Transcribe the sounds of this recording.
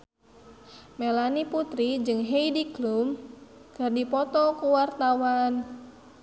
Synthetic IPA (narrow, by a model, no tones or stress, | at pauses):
melaniput̪ɾid͡ʒɨŋɦeidiɡlum | kərdipɔt̪ɔkuwart̪awan